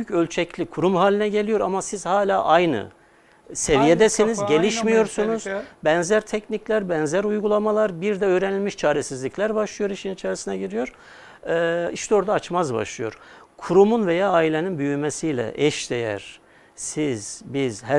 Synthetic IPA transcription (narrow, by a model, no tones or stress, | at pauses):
byjycølʲt͡ʃʰɛclʲikʰuɾumhaːlʲinɛɟe̞lʲijo̞ɾamasiz̥haːlʲaːʔajnɯ̰ | sevijed̪ɛsinizɟe̞lʲiʃmijo̞ɾsunuz̥bɛnzæɾt̪ʰɛcniclʲæɾbɛnzæɾujɡulˠamalˠaɾbiɾd̪ɛøːɾenilʲmiʃt͡ʃʰaːɾɛsizlʲicʲlʲæɾbaʃlˠɯjo̞ɾiʃininit͡ʃʰaːɾisinaɟiɾijo̞ɾ̥ | iʃt̪ʰɛoɾd̪aːt͡ʃmazba̰ʃlˠɯjo̞̰ɾ̥kʰuɾumunve̞jaːaːilʲeninbyjymesijlʲɛ̰ʔɛʃd̪ejæ̰ɾ̥ | siz̥biz̥hæ